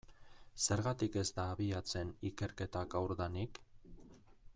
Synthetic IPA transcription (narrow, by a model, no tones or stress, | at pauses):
se̞ɾɣat̪ike̞zt̪aːβiat͡se̞nike̞ɾke̞t̪akawɾðanik